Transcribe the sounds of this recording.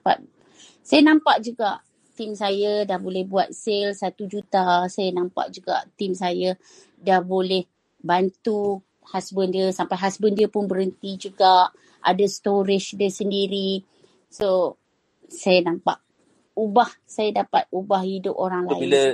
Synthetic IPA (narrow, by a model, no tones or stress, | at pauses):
pa̰t̪̚ | sajanãmpaʔd͡ʒuɡaʔ | t̪imsajədahbolɛhbuat̪̚selsat̪ud͡ʒut̪asajanampa̰ʔd͡ʒuɡa̰ʔt̪imsajə | dahbolɛh | bant̪u | hasbəndiəsampajɦasbəndiəpʊnbəɾənt̪id͡ʒuɡaʔ | ʔa̰dast̪oɾɪʃdəsəndiɾi | so | sajanampa̰ʔ | ubahsajadapat̪̚ubahidʊp̚oɾaŋlailə